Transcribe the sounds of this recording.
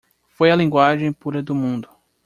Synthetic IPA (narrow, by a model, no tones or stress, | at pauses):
fojɐlĩŋɡwaʒẽj̃puɾɐd̪ʊmũnd̪ʊ